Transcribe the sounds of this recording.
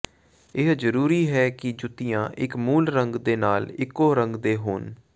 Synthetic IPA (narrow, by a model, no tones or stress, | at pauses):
ɪɦzəɾuːɾiːɦɛːkɪd͡ʒʊt̪ːɪjãːʔɪkmuːlɾəŋɡd̪eːnaːlɪkːoːɾə̃ŋɡd̪eːɦoːn